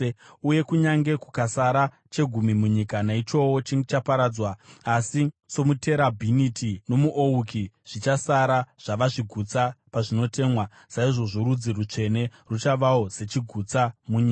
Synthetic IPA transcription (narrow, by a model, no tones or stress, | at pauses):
uje̞kuɲaŋɡe̞ku̥kasaɾa | t͡ʃe̞ɡʱumimuɲikanait͡ʃo̞wo̞t͡ʃiŋɡet͡ʃapaɾaːd͡zwaːsiso̞mute̞ɾabʱinitʰino̞muʔoukiʐ̥it͡ʃasaɾaʐ̥aʋaʐiɡʱut͡sapaʐino̞te̞ːmwa | saiʐo̞ʐoɾud͡zirut͡ʂe̞ne̞rut͡ʃaʋao̞ze̞t͡ʃiɡʱut͡samuɲiːka